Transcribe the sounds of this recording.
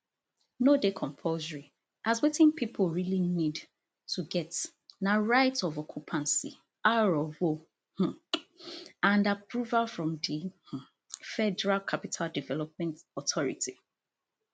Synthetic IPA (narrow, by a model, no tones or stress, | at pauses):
nodekʰɔ̃mpʰozəɹi | ʔazwetɪ̃npʰipʰolɹilinid | tʰuɡɛt | naɹaɪtɔvɔkʰupʰãnsḭ | aɹɔvo | h̩ | ãndapɹuvalfɹɔ̃mdih̩ | fɛdɛɹalkʰapitʰaldivɛlɔp̚mɛ̃ntɔtʰɔɹḭtʰi